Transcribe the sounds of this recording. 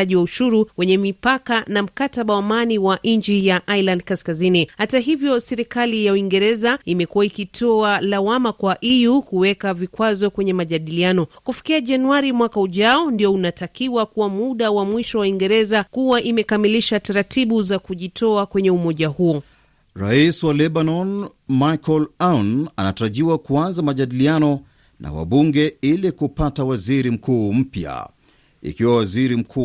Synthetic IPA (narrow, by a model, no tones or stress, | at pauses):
aʄiwauʃuɾuwɛɲɛmipakanam̩kataɓawamaniwaʔ̩ɲd͡ʒijaʔailandkaskazinihataɦivjɔsɛɾikalijauiŋɡɛɾɛzaimɛkuwaikitʰɔalawamakwaʔijukuwɛkavikwazɔkwɛɲɛmaʄaɗilianɔkufi̥kiaʄanuaɾimwakauʄaɔndiɔunatakiwakuwamuɗawamwiʃɔwaiŋɡɛɾɛzakuwaʔimɛkamiliʃataɾatiɓuzakuʄitʰɔakwɛɲɛumɔʄahuɔ | ɾaiswalɛɓanɔn | majkɔlananataɾaʄiwakuanzamaʄaɗilianɔ | na̰wa̰ɓuŋɡɛilɛkupatawaziɾim̩kuːm̩pja̰ | ḭkiwawaziɾim̩kʰuː